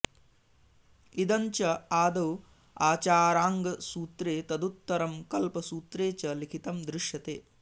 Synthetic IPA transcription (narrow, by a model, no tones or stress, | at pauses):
id̪ɐɲt͡ʃɐaːd̪ɐw | aːt͡ʃaːɾaːŋɡɐsuːt̪ɾeːt̪ɐd̪ut̪ːɐɾɐmkɐlpɐsuːt̪ɾeːt͡ʃɐlikʰit̪ɐmd̪ɾuʂjɐt̪eː